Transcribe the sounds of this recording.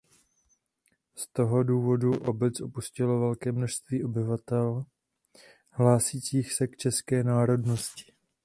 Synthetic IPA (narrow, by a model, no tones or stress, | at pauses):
st̪o̞ɦo̞duːvo̞duʔo̞bɛt͡sʔo̞puscɪlo̞vɛlkɛːmno̞ʃst̪viːʔo̞bɪvat̪ɛl | ɦlaːsiːt͡siːxsɛkt͡ʃɛskɛːnaːɾo̞dno̞scɪ̥